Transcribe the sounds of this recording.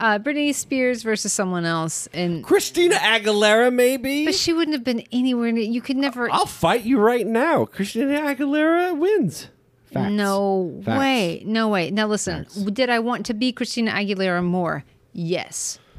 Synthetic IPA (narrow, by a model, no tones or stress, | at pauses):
ʔʌbɹɪnispɪɹzvɜ˞sɨz̥sʌ̃mwʌ̃nɛlˠsɨ̃nkʰɹ̥ɨstĩnɨʔæɡəlɛɹɨmeɪbibʌtʃiwʊdⁿn̩thɨvbɨ̃nɛniwɛɹɨ̃nɨtjɨkʰɨdⁿnɛvə˞aɪlˠfaɪt͡ʃɨɹaɪtⁿnaʊkʰɹ̥ɨstĩnɨæɡəlɛɹɨwɪ̃nz̥ | fæ̰noʊfeɪnoʊweɪnaʊlɪsɨ̃ndɨɾaɪwɑ̃ntʰɨbikʰɹ̥ɨstĩnɨʔæɡɨlɛɹɨmɔɹ | jɛ̰s